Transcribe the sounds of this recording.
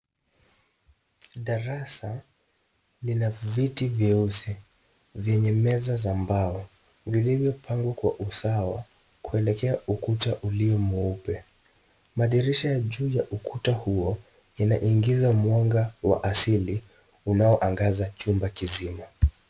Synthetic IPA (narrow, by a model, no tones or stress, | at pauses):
ɗaɾasa | linavitiviusi | vjɛɲɛmɛzazambaɔ | vilivjɔpʰaŋɡwakwaʔusawa̰ | kʰuɛlɛkɛaukutaʔuliɔmuupɛ | maɗiɾiʃajaʄuːjaʔukʰutahuɔ | inaʔiŋɡizamwɔŋɡawa̰ʔasili | unaɔʔaŋɡazat͡ʃumbakizima